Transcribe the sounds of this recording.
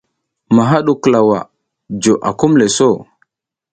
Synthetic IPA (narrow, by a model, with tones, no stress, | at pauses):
ma˨ɦa˦ɗu˨kla˨wa̰˨ | d͡ʒo˨ʔa̰˨ku˦mle˨so˦˨